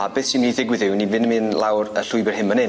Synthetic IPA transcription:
abeθsimniðɪɡwɪðɪwnivɪnəmɨnlˠawrə̰ɬʊɨbɛr̥ɦɪmənɪ

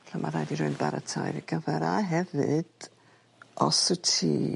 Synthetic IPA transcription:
ɬamʔarajdiɾʊɨnbaɾətʰajɾiɡəvɛɾaɦɛvɨd̥ | ɔsɨtʰiː

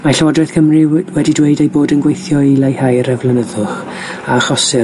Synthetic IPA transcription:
maɬaɔdrɛθkʰəmriwɛdidweɨdejboːdənɡwejθjɔilejhajɾɛvlˠənəðʊχ | aχɔsɪ

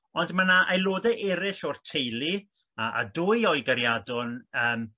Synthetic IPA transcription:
ɔndmanaʔajlˠoːdɛʔɛɾɪɬɔrtʰejlˠi | aʔa̰dʊːjɔɨɡaɾjadɔnəːm

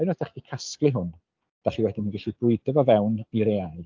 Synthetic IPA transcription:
ajnɔθdɛχdikʰasklˠɪɦʊn | d̥aχiwɛdɪnnvɪɬibʊɨdɛvɔvɛwniɾeal

